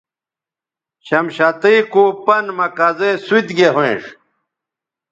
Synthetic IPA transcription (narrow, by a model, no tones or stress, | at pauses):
ɕɐmɕɐt̪ijkuːpɐnmɐkɐzesuit̪ɡeɦõḛ̃ʂ